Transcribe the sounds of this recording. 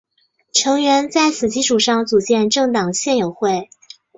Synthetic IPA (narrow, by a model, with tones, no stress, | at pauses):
ʈ͡ʂʰɤ˧˥ŋɥɛ˧˥nt͡sa˥˩ɪsɹ̩˨˩t͡ɕi˥ʂʰu˨˩ʂɑ˥˩ŋt͡su˨˩t͡ɕjɛ˥˧nʈ͡ʂɤ˥˩ŋt̪ɑ˨˩ŋɕjɛ˥˩njo˨˩ʊxwe˥˩ɪ